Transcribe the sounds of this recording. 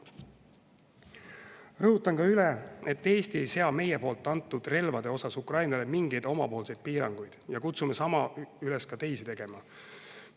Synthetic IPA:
rɤɦut̪ːˑɑŋkɑylɛe̞t̪ːe̞ːst̪ie̞jse̞ɑme̞jepo̞ːlt̪ːˑɑnt̪ːˑud̪̥re̞lvɑd̪̥e̞o̞sɑsukrɑjnɑle̞miŋɡ̥e̞jd̪̥o̞mɑ̰po̞ːlse̞jd̪̥piːɾɑŋɡ̥ujd̪̥jɑkut̪sumesɑmɑylɛskɑt̪e̞jsit̪e̞ɡ̥e̞mɑ

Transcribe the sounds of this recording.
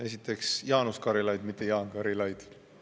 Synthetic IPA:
e̞s̬it̪ːˑe̞ksjɑːnuskɑɾilɑjd̪mit̪ːˑe̞jɑːnkɑɾilɑjd̪̥

